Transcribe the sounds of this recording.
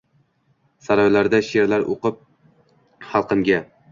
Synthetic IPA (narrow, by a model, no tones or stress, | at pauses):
saɾɒjlaɾd̪aʃeɾlaɾʔo̰qɨp̚ | χɑlˠqɨŋɡʲa